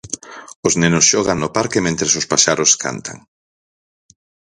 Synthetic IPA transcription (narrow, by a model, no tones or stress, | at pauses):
oznenosʃɔɣ̞aŋnopaɾkemẽnt̪ɾesospaʃaɾoskʰa̰nt̪ʰa̰ŋ